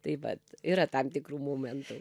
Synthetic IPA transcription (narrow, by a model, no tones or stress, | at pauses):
t̪ɐɪʋɐ̰t̪iːɾɐt̪ɐmt̪ʲɪkruːmoːmʲɛnt̪ʊ